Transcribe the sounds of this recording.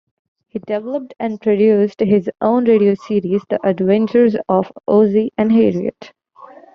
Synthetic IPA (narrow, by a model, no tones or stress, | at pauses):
hiːɖɛʋləp̚ʈɛ̃ɳɖpɾoɖjuːsʈɦɪzʔõʊ̃nɾeːɖioːsiːɾizd̪iʔəɖʋɛ̃nt͡ʃəɾzɔfʔoːziʔɛ̃ɳɦeːɖiə̰ʈ